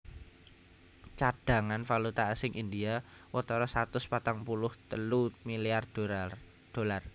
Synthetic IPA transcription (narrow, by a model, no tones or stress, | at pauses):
t͡ʃad̥a̤ŋanfalut̪aasɪŋʔindia | wɔt̪ɔɾɔsat̪ʊspat̪aŋpulʊht̪əlumiliar | d̪̥o̤lar